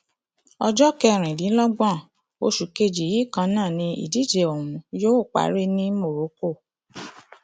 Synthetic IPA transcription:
ɔ˧d͡ʒɔ˦kɛ˧ɾ̃ĩ˨li˨˦lɔ˦ɡ͡bã˦˨ | o˧ʃu˨ke˧˨d͡ʒi˨ji˨˦˨kã˧nãː˦˨nĩ˧ḭ˨di˨˦d͡ʒe˨o˨ɾ̃ũ˨joː˦˨k͡pa̰˨˦ɾe˦nĩ˦mo˦˨ɾo˨˦ko˦˨

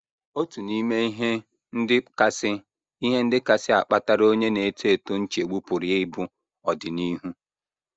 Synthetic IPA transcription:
o˦tu˨ni˦me˦i˦ɦe˦ | n̩˦dɪ˦ka˦sɪ˦ | i˦ɦe˦n̩˦dɪ˦ka˦sɪ˦a˨k͡pa˦ta˦ɾo˦ɲe˦ne˨˦tʰe˦˨to˦n̩˦t͡ʃe˨ɡ͡bu˦pʊ˨ɾi˨e˦ɪ˦bʊ˦ | ɔ˨dɪ˨ni˦ɦu˦

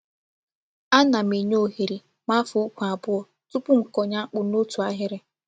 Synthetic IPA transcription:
a˦na˨m̩e˨ɲo˦˨ɦe˨ɾi˨ | ma˦fu˨˦u˦kʷu˨a˨bʊ˦ɔ˨ | tʊ˦pʊ˦ŋ̩˨kɔ˨ɲa˦k͡pʊ˨no˦tu˨a˦ɦɪ˦ɾɪ˦

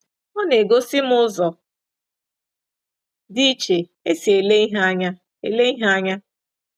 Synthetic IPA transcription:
ɔ˦ne˨ɡo˦sɪ˦m̩˦ʊ˦zɔ˨ | di˦t͡ʃe˨ | e˦si˨e˨le˦ɦa˦ɲa˦ | e˨le˦i˦ɦa˦ɲa˦

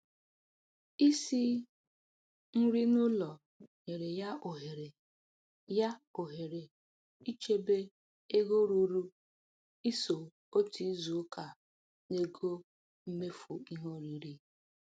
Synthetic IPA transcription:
i˦si˦ | n̩˦ɾi˦nʊ˦lɔ˨ | ɲe˨ɾe˨ja˦o˨ɦe˨ɾe˨ | ja˦o˨ɦe˨ɾe˨ | i˦t͡ʃe˦be˦ | e˦ɡo˦ɾu˦ɾu˦ | i˦so˨ | o˦ti˦zu˨˦kʰa˨ | ne˦ɡo˦ | m̩˦me˦fu˨i˦ɦo˦ɾi˨ɾi˦

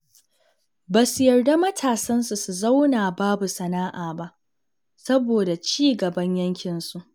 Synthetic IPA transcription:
baː˨su˨jɐ˨rda˦mɐ˦tʰaː˨sɐ˦nsu˨su˨za˦wnaː˨baː˦bu˨sɐ˨naː˦ʔaː˨ba˦ʔ | sɐ˦boː˨da˨t͡ʃiː˦ɡɐ˨bɐ˦ɲjɐ˦ŋkʲɪ˨nsu˦ʔ

